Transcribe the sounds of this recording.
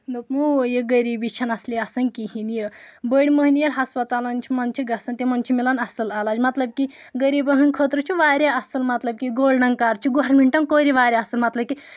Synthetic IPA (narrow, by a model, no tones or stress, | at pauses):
nupmujeɡɐɾiːbit͡ʃʰɐnɐsliɐsɐnkiɦinjə | bəɽʲməɦinijɐɾɦɐspɐt̪alɐnt͡ʃʰimɐnt͡ʃʰiɡɐsɐnt̪imɐnt͡ʃʰimilɐnɐsɐlalaːd͡ʒmɐt̪lɐb̚ki | ɡəɾiːbɐɦɨnʲkʰət̪ɾɨt͡ʃʰuʋaːɾʲjaɐsɐlmɐt̪lɐb̚kiɡoːlɖɐŋkaːɾt͡ʃʰuɡoɾmiɳʈɐnkoːɾiʋaːɾʲjaɐsɨlmɐt̪lɐb̚ki